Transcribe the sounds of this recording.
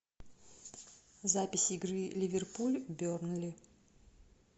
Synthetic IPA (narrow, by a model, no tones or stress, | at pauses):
zapʲɪsʲiɡrɨlʲivʲerpulʲbʲornlʲi